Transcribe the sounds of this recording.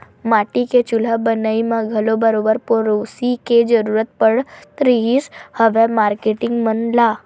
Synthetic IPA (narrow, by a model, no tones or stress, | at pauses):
maʈiket͡ʃulabənaimãɡʱəlobəɾobəɾpoɾosiked͡ʒəɾuɾət̪̚pəɽt̪ɾiɦishəʋemaɾkeʈɪŋɡmənla